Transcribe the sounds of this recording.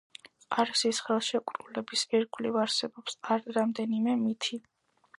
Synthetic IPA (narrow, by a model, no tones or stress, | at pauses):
qʼaɾsisχɛlˠʃɛkʼɾulɛbisɛɾɡlivaɾsɛbɔpsaɾɾamd̪ɛnimɛmit̪ʰi